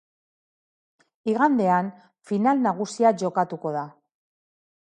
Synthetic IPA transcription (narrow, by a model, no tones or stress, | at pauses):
iɣand̪e̞an | finalnaɣ̞usiaʝo̞kat̪uko̞ð̞a